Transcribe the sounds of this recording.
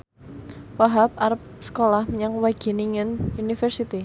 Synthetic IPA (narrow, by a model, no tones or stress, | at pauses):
waɦap̚aɾəp̚ | sə̥kolahməɲaŋwaɡ̥e̤niŋənunifɛrsit̪i